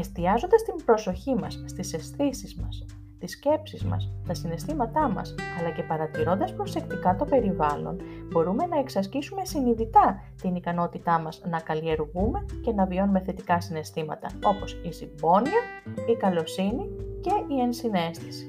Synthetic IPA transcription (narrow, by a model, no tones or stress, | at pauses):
e̞st̪iɐzo̞nd̪ɐst̪imbɾo̞so̞çimɐsːt̪ise̞sθisizmɐs | t̪isce̞psizmɐ̰st̪ɐsine̞st̪imɐt̪ɐmɐ̰sɐlɐce̞pɐɾɐt̪iɾo̞nd̪ɐspɾo̞se̞kt̪ikɐt̪o̞pe̞ɾivɐlo̞̰nbo̞ɾume̞nɐe̞ksɐscisume̞siniðit̪ɐ | t̪inikɐno̞t̪it̪ɐmɐznɐkɐlie̞ɾɣume̞ce̞nɐvio̞nume̞θe̞t̪ikɐsine̞st̪imɐt̪ɐ̰o̞po̞sizibo̞niɐikɐlo̞sinice̞ie̞nsine̞st̪i̥si̥